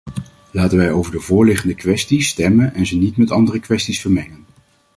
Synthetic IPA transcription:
laːtənʋɛjowvəɹdəvʊːɹlɪχəndəkʋɛstistɛmənɛnzənitmɛtɑndərəkʋɛstisfəɹmɛŋən

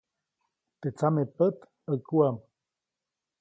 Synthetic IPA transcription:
t̪et͡samepət̪ | əkuam

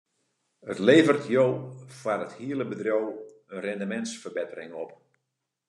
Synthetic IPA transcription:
ətleːvərtjowfarəthiələbədrow | ənrɛndəmɛntsfərbɪtərɪŋɔp

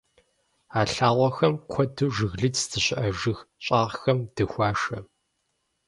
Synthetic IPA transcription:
aːɬaːʁʷɔxɐmkʷʰɔdɨʒɨɣɮɨt͡sdʰɨɕɪʔɐʒɨxɕʼaːʁxɐmd̥ɨxʷaːʂɐ

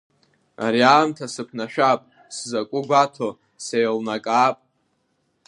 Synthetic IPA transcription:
aɾiaːmtʰasɨpʰnaʃᶣapʼ | szakʷʼʊɡʷatʰo | se̞jlnakʼaːpʼ

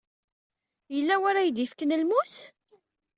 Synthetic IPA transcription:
jəlːæwæɾæjd̪ifkənəlmus

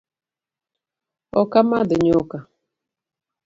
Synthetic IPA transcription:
ɔkamadɪɲʊka

